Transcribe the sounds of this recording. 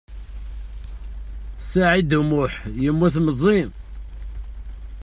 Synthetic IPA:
saʕid̪umʊħjəmːuθməzˤi

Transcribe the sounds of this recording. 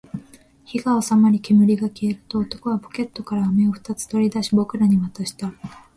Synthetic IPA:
çiɡaosamaɾʲike̞mɯ̟ɾʲiɡakʲie̞ɾɯ̟t̪o̞ːt̪o̞ko̞βapo̥kʲe̞t̪ːo̞kaɾaːme̞o̞ɸɯ̟̥t̪at͡sɨ̥t̪o̞ɾʲid̪aɕibo̞kɯ̟ɾaɲ̟imat̪aɕi̥t̪a

